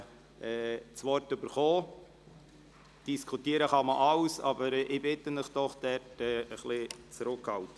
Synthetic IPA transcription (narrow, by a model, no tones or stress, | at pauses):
ɛːt͡sʋɔrtʏbəɾχɔː | d̥iskʰutiəɾəχɑməʔɑwsɑbəɾʔɪbɪt̪ənɪχd̥̪ɔχd̥ɛɾtɛːəχlɪt͡sɾʊkhɑltə